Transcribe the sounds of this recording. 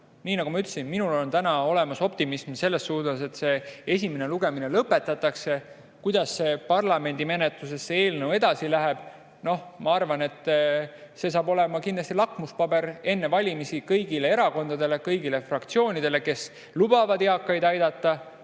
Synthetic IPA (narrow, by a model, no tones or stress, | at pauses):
niːnɑɡ̥umɑyt̪ːlesinminulo̞nt̪ænɑo̞le̞mɑso̞pt̪imismse̞lːe̞st̪ːuːt̪ɑse̞t̪ːse̞e̞s̬ʲimeneluɡe̞mine̞lɤpːˑe̞t̪ːˑɑt̪ːˑɑkse̞ | kujd̪̥ɑsːe̞pɑrlɑme̞nʲd̪̥ime̞net̪lus̬e̞sːee̞ːlnɤwe̞d̪̥ɑsilæɦeb̥ | no̞hmɑɑrvɑne̞t̪ː | se̞s̬ɑːbo̞le̞mɑkind̪lɑst̪ilɑkːmuspɑbe̞ɾe̞nːe̞vɑlʲimisikɤjɡile̞e̞ɾɑko̞nd̪ɑd̪e̞le̞kɤjɡile̞frɑkt̪sio̞ːnʲid̪̥e̞le̞ke̞s | lub̥ɑvɑd̪eɑkːˑɑjd̪ɑjd̪̥ɑt̪ːɑ